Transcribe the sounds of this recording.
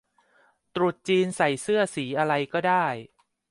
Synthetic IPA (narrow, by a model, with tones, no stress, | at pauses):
t̪ɾu˨˩t̪̚t͡ɕiː˧nsa˨˩jsɯ˥˩ɐsiː˩˦ʔa˧ɾa˧jkɔː˥˩daː˥˩j